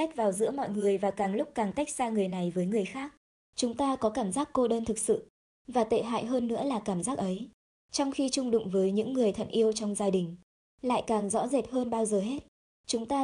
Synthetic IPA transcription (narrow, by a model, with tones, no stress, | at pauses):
a˦˥jk̚vaː˨˩wzɨ̰˧˥əmɔ̰˧˨jŋɨ˨˩əjvaː˨˩kaː˨˩ŋlʊ˦˥k͡p̚kaː˨˩ŋt̪a˦˥jk̟̚zaː˧ŋɨ˨˩əjna˨˩jvəː˨˦jŋɨ˨˩əjxaː˦˥k̚ | t͡ɕʊ˨˦ŋ͡mt̪aː˧kɔ˨˦kaː˧˩mzaː˦˥kːo˧ɗəː˧nt̪ʰɨ˨˩k̚sɨ̰˧˨ | vaː˨˩t̪ḛ˧˨ɦa̰ː˧˨jɦəː˧nːɨ̰˧˥əlaː˨˩kaː˧˩mzaː˦˥k̚ʔə˨˦j | t͡ɕɔ˧wŋ͡mxi˧t͡ɕʊ˧ŋ͡mɗʊ̰˧˨ŋ͡mvəː˨˦jɲɨ̰˧˥ŋːɨ˨˩əjt̪ʰə̰˧˩ŋʔi˧əwt͡ɕɔ˧wŋ͡mzaː˧ɗï˨˩ŋ̟ | la̰ː˧˨jkaː˨˩ŋzɔ̰˧˥ze˨˩p̚həː˧nɓaː˧wzəː˨˩ɦe˦˥t̚ | t͡ɕʊ˨˦ŋ͡mt̪aː˧